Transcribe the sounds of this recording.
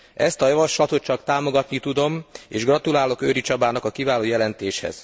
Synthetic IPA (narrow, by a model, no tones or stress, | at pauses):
ɛst̪ɒjɒvɒʃlɒt̪o̞t̪̚t͡ʃɒkt̪aːmo̞ɡɒt̪nit̪ud̪o̞meːʒɡrɒt̪ulaːlo̞køːɾit͡ʃɒbaːnɒkɒkivaːloːjɛlɛnt̪eːʃhɛ̰z̥